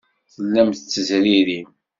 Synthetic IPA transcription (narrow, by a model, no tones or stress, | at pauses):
θəlːæmθət͡sːəzɾiɾim